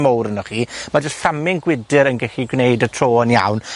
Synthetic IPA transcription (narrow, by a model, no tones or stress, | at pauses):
mɔwɾənɔχiːmad͡ʒɔsɬamɪŋɡwɪdɪɾənɡɛɬiɡwnejdətʰr̥oːənja̰wn